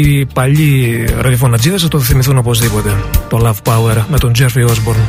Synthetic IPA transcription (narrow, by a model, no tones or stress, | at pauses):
ipɐʎiɾɐðjofonɐd͡ziðɐsɐt̪oðeθimiθuno̞po̞zðipo̞t̪e̞t̪olɐvpɐweɾme̞t̪o̞nd͡zeɾfiozboɾn